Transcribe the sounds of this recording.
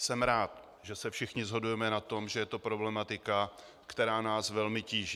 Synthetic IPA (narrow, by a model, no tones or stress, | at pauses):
sɛmɾaːt̪ | ʒɛsɛfʃɪxɲɪzɦo̞dujɛmɛnat̪o̞mʒɛjɛt̪o̞pɾo̞blɛmat̪ɪka | kt̪ɛɾaːnaːsvɛlmɪciːʒ